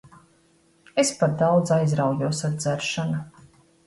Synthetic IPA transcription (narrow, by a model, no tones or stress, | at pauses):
espaɾ̚d̪awd̪zajzɾawjuɔsad̪d̪zæɾʃanu